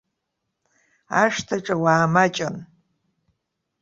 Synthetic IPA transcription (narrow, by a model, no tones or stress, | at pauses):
aʂtʰaʈ͡ʂʼɐwaːmat͡ʃʼan